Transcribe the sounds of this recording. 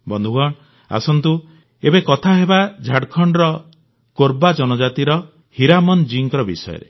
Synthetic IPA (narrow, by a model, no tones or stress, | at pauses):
bɔnd̪ʱuɡɔɳ | a̰sɔnt̪u | ebekɔt̪ʰaɦebad͡ʒʱaɽkʰɔɳɖɾɔ | koɾbad͡ʒɔnɔd͡ʒat̪iɾɔ | hiɾamɔnd͡ʒiŋkɾɔbḭsɔ̰jɔ̰ɾḛ